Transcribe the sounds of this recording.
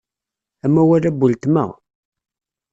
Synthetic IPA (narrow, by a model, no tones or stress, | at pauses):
æmːæwæɾæbːult̪mæ̰